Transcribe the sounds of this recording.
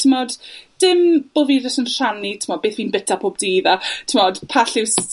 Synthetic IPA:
tʰɪmɔd̥d̥ɪmb̥oːviːdɔsənr̥anitʰɪmɔd̚beːθwiːnbətʰapʰoːb̚diðatʰɪmɔd̥pʰaɬɪws

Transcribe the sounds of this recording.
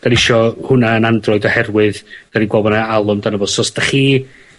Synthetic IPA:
d̥anɪʃɔhʊnaənandrɔɨdɔhɛrwɨðd̥aninɡwɔbɔnaalˠʊmdanabɔːdsɔsd̥aχiː

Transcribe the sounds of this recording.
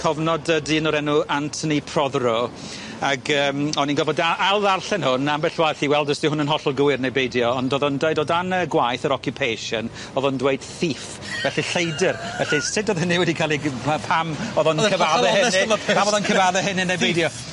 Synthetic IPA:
kʰɔvnɔdədiːnɔɾɛnuʔantʰənipʰrɔðrɔ | aɡəːmɔninɡɔvɔdaalˠðarɬɛnhʊnambɛɬwaθiwɛlˠdəstihʊnənɦɔɬɔlˠɡʊwɪrnejbejdjɔːndɔðɔndwejdɔdanəɡwajθəɾɔkʰjʊpʰejʃɔn | ɔðɔndweɨd̥θif | vɛɬiɬejdɪrvɛɬisɪdɔðɪniwɛdikʰalˠiapʰamɔðɔnʰəvaðɛhɪsɔpʰamɔðɔnkʰəvaðɛɦɪninejbejdjɔ

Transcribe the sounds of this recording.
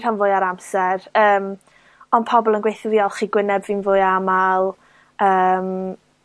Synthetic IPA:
ranvʊːɨaɾamsɛɾəːm | ɔnpʰɔbɔlˠənɡwejθviɔlˠχiːɡwɪnɛbvɨnvʊːɨamalˠ | əːm

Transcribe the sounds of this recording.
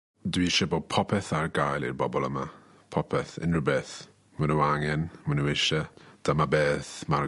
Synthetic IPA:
dwiʃɛboːd̚pʰɔpʰɛθarɡajlˠḭrbɔbɔlˠəma | pʰɔpʰɛθɪ̰nrəbɛːθ | wənəaŋɛnwɛnəwɪʃəd̥amabeːθma

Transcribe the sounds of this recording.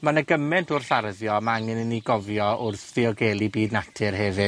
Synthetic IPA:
manəɡəmɛntʰʊrɬarðjɔmaaŋɪnəniɡɔvjɔʔʊrθɪɔɡɛlˠibiːdnatʰɨrɦɛvɨ

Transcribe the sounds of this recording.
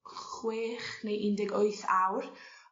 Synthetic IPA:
χweːχnejʔɪndɛɡoɨθawr

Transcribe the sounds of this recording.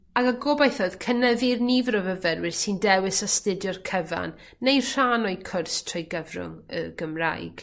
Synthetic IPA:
aɡaɡobajθɔðkʰənɛvɪrnivəɾɔvəvɛrwɪrsindɛwɪsastɪdjɔrkʰəva̰nː | ejr̥aːnɔjkʰʊrstʰrɔjɡəvrʊ̰ŋə̰ɡəmra̰jɡ̥

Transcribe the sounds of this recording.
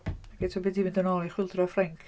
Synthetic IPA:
aɡ̥ɛtʰɔbɪdimɪndɔnɔːlˠiχwɪlˠdrɔfrɛŋkʰ

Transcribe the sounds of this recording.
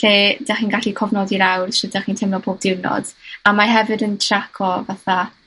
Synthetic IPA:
ɬeːd̥aχiːnɡaɬikʰɔvnɔdiɾawrʃɛd̥aχiːntʰɛmnɔpʰoːb̚dɪwnɔ̰d̥amaɦɛvɨdəntʰrakʰɔvaθa

